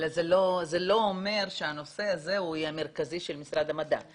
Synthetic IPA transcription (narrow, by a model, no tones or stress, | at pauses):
lazeloze̞lo̞ome̞ʁʃeano̞se̞aze̞ujeame̞ʁkaziʃelmisʁad̪amad̪a̰